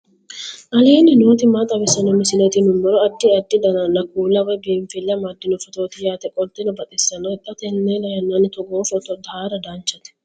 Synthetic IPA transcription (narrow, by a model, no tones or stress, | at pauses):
ʔɐliːnɪnoːt̪ɪmat̪ʼɐbɪsɐnɔmɪsɪnɛt̪ɪnʊmːɔɾɔɐd̪ːɪɐd̪ːɪd̪ɐnɐnːɐkuːlɐwɐjbeːɱfɪlːɐmɐd̪ːɪnʊfɔt̪oːt̪ɪjaːt̪ɛkʼɔlt̪ːɪnɔbɐt̪ʼɛsːɐnːɔɛt̪ʼːɐt̪ɛnːɛlɐjɐnːɐnɪt̪ɔɡoːfɔt̪ɔd̪ɐaːɾɐd̪ant͡ʃːɐt̪ɛ̥